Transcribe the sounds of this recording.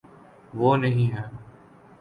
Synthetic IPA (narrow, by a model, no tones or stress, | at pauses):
ʋoːnəɦĩːɦɛ̃ː